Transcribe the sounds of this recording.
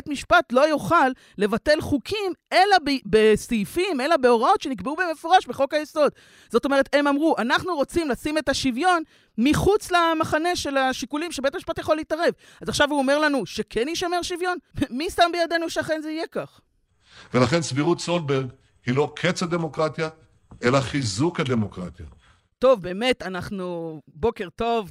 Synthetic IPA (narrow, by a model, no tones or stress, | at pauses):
etmiʃpatlo̞joχalːe̞vate̞lχukʰime̞labebesifimelabe̞o̞ʁao̞tʃe̞nikbeubemefoʁaʃbeχo̞kajeso̞d | zo̞t̪o̞me̞e̞t̪e̞mamʁuʔanaχnuʁo̞t͡simlasime̞taʃivjo̞n | miχut͡slamaχane̞ʃe̞laʃikulimʃebe̞t̪amiʃpat̪jaχo̞leitaʁe̞v | azaχʃavuomeʁlanuʃe̞kʰenjiʃame̞ʁʃivjo̞nmisambejad̪e̞nuʃeaχe̞nzeije̞kaχ | velaχe̞nsviʁut̪solbeʁɡ | hilo̞kʰet͡sad̪e̞mo̞kʁat̪ja | ʔe̞laχizukad̪e̞mo̞kʁa̰t̪ja̰ | to̞vbe̞ːme̞tanaχnubo̞ke̞ʁto̞v